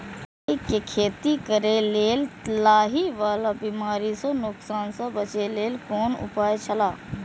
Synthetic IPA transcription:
ikːekʰeːt̪ikəɾeleːlt̪laːɦiʋaːlabiːmaːɾisɐ̃nʊksaːnsɐ̃bət͡ʃeleːlkoːnʊ̰paːet͡ʃʰəlaː

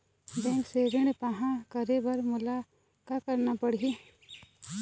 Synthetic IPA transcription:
bɛ̃ːkseɾɪɳpaɦãkəɾebɐɾmʊla | kakəɾnapəɽ̤i

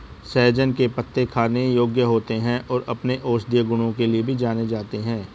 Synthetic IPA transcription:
sɛɦd͡ʒənkepɐt̪ːekʰaːnejoːɡjəɦoːt̪eɦɛ̃ɔːɾɐpneʔoːʃd̪ijəɡʊɽ̃õkeliebʱid͡ʒaːned͡ʒaːt̪eɦɛ̃ː

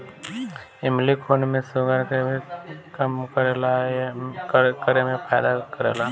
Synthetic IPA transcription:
ɪmlikʰoːnmẽsoɡəɾkebekəmkəɾela | kəɾemẽpʰaːɪd̪akəɾḛːla

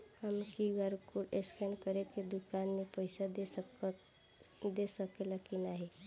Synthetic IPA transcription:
həmkiɡaɾukuɾeskɛnkəɾeked̪ukanmepəɪsad̪e | d̪esəkelakinaɦi

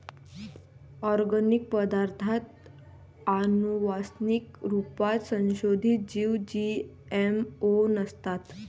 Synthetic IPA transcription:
ɔɾɡənik̚pəd̪aɾt̪ʰat̪ | anuʋasnikɾupat̪sə̃ñɕod̪ʱit̪̚d͡ʑiʋ̚d͡ʑi | emonəst̪at̪

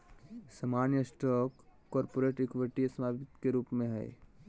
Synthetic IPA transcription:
samaːnjəsʈɔːkː | ɔːɾpoːɾeːʈɪkʋɪʈisɐmaːʋɪt̪keɾuːpmẽɦɛ̰ː

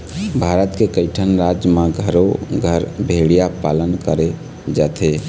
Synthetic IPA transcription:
bʱaɾət̪kekəɪʈʰənɾad͡ʒjmaɡʱəɾoɡʱəɾbʱeɽijapalənkəɾe | d͡ʒat̪ʰe

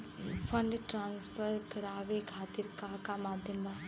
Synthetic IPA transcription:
fʰɐɳɖʈɾãːnspəɾkɐɾaːʋekʰaːt̪iɾkaːkamaːd̪ʱjəmbaː

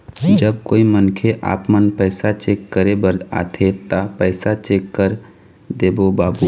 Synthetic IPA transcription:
d͡ʒəb̚koːimənkʰeʔa̰ːpmənpɛːsat͡ʃeːkːəɾebəɾa̰ːt̪ʰet̪apɛːsat͡ʃeːkːəɾ | d̪eːbobaːbu

